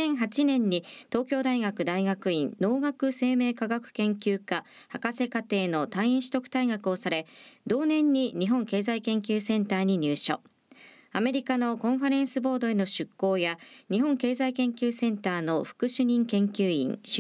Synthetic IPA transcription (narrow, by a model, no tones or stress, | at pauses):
ẽɰ̃ɦat͡ɕinẽ̞ɲ̟ːit̪o̞ːkʲo̞ːd̪aiɡakɯ̟d̪aiɡakɯ̟ĩnno̞ːɡakɯ̟se̞ːme̞ːkaɡakɯ̟̥kẽ̞ŋkʲɨːka | hakase̞kat̪e̞ːno̞t̪ãĩɰ̃ɕi̥t̪o̞kɯ̟̥t̪aiɡakɯ̟o̞saɾe̞d̪o̞ːnẽ̞ɲ̟ːiɲ̟iɦõ̞ŋke̞ːzaikẽ̞ŋkʲɨːsẽ̞nt̪aːɲ̟iɲ̟ɨːɕo̰ | ame̞ɾʲikano̞kõ̞ɰ̃ɸaɾẽ̞ɰ̃sɨbo̞ːd̪o̞e̞no̞ɕɨkːo̞ːjaɲ̟iɦõ̞ŋke̞ːzaikẽ̞ŋkʲɨːsẽ̞nt̪aːno̞ɸɯ̟̥kɯ̟ɕɨɲ̟ĩŋkẽ̞ŋkʲɨːḭ̃ŋɕ